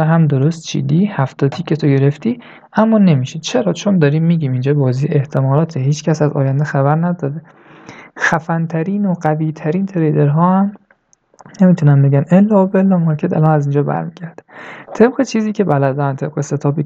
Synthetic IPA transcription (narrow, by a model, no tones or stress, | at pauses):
ɦæmd̪oɾost̪̚t͡ʃʰḭːd̪iːhæft̪ɒːt̪ʰiːcʰe̞t̪ʰo̞ɟe̞ɾe̞ft̪iː | ʔæmːɒːne̞miːʃid̪̥t͡ʃʰe̞ɾɒːt͡ʃʰond̪ɒːɾiːmːiːɟʲiːmind͡ʒɒːbɒːziːeht̪ʰe̞mɒːlɒːt̪ʰeɦiːt͡ʃcʰæsæzɒ̰ːjænd̪exæβæɾnæd̪ɒːd̪e | xæfænt̪ʰæɾiːnoɢæviːt̪ʰæɾiːnt̪ʰɾejd̪eɾɦɒːhæm | ne̞miːt̪ʰunæmbe̞ɡænelːɒːbelːɒːmɒɾkʲʰet̪ʰæ̰lɒːnæziːnd͡ʒɒːbæ̰ɾmiːɟ̥æɾd̪̥æt̪ʰe̞bɢet͡ʃʰiːziːcʰʲe̞bælæd̪ænt̪ʰe̞b̥ʁeset̪ʰɒːbi